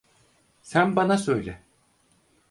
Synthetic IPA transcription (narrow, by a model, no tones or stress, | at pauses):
sænbanasø̞jlʲɛ